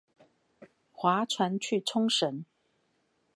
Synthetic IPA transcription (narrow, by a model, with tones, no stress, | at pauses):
xwa˨˥ʈ͡ʂʰwa˧˥nt͡ɕʰy˥˨ʈ͡ʂʰʊ˥ŋʂə˨˦n